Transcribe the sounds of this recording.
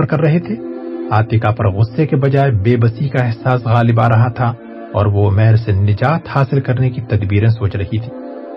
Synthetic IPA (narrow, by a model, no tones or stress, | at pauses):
ɾkɐɾːɐɦet̪ʰeːaːt̪ɪkapɐɾɣʊsːekebɐd͡ʒaːebeːbɐsikaɛɦsaːsɣaːlɪbaːɾɐɦat̪ʰa | ɔ̰ːɾʋomɛɦɾsenɪd͡ʒaːt̪haːsɪlkɐɾnekit̪ɐd̪biːɾẽs̬oːt͡ʃɾɐɦit̪ʰi̥ː